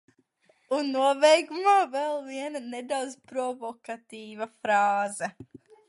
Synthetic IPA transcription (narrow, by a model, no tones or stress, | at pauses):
unːuɔvɛjɡumaːvɛlˠviɛnɐned̪awd̪z̥pɾɔvɔkat̪iːvɐfɾaːzɛ